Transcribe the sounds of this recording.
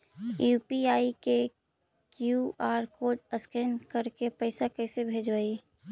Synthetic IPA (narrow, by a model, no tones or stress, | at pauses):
jupiaːike | kjuaːɾkoʈəskenkəɾkepəɪsakəɪsebʱeːd͡ʒbai